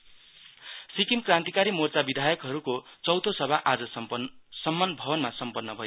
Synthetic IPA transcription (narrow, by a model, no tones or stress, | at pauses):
sikimkrãnt̪ikaɾimort͡sabid̪ʱajʌkɦʌɾukot͡sʌwt̪ʰosʌbʱaʔad͡zʌssʌmːʌnbʱʌbʌnmasʌmpʌnːʌbʱʌjo